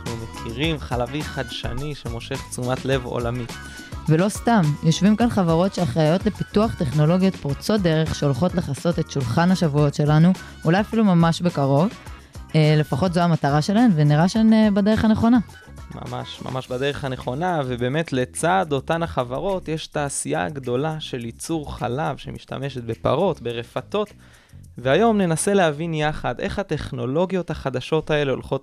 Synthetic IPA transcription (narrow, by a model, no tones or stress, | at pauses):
aχnumekʰiʁimχalaviχadʃa̰niʃemo̞ʃe̞χt͡sumatle̞vo̰lami | velo̞stamjo̞ʃvimkanχavaʁo̞tʃeaχʁajo̞tle̞pituaχt̪e̞χno̞lo̞ɡijo̞t̪poʁt͡so̞t̚d̪e̞ʁe̞χʃeolχo̞tleχaso̞te̞tʃulχanhaʃavujo̞tʃe̞lanu | ulajafilumamaʃbe̞kaʁo̞v | ele̞faχo̞tzoamataʁaʃe̞lahe̞mveniʁaʃenebade̞ʁeχaneχo̞na | ma̰ma̰ʃma̰maʃbade̞ʁeχane̞χo̞navebe̞ːme̞tle̞t͡sado̞tanaχavaʁo̞tjeʃtaːsija̰ɡd̪o̞laʃe̞lit͡suʁχa̰lavʃḛmiʃta̰me̞ʃet̪̚be̞pa̰ʁo̞tbe̞ʁefat̪o̞t | veajo̞mne̞nase̞leavinjaχadʔeχhat̪e̞χno̞lo̞ɡijo̞t̪haχad̪aʃo̞tae̞leo̞̰lχo̞t